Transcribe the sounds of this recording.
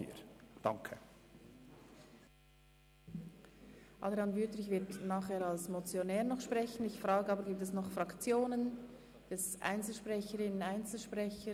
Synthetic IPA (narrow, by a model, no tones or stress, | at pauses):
ḭd̥ɑ̰ŋkʰə | ʔɑ̰d̪ɾeɑnvyːtɾɪçvɪɐtnaːχhɛːɾɑlsmot͡sjonɛːʁnɔχʃpʁɛçən̩ɪçfʁɑːɡəɑːbəɾɡiːp̚tɛsnɔχfrɑkt͡sjoːnən | d̥ɛsʔa̰ɪnt͡sl̩ʃpʁɛçəɾɪnənaɪnt͡sl̩ʃpʁɛçə